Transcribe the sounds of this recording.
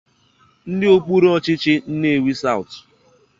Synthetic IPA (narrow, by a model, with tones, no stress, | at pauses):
n̩˦dɪ˦o˦k͡pu˦ɾɔ˦t͡ʃɪ˦t͡ʃɪ˦n̩˦ne˦˨wi˦sa˦ʊ˨t